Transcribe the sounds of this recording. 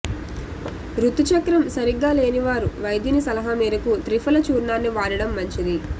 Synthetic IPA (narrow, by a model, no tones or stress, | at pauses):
ɾut̪ːut͡ʃɐkɾɐmsɐɾiɡːaːle̞ːniʋaːɾuʋɐjd̪inisɐlɐɦameːɾɐkut̪ɾipʰɐlɐt͡ʃuːɾɳaːnːiʋaːɽɐɽɐmːɐɲt͡ʃid̪i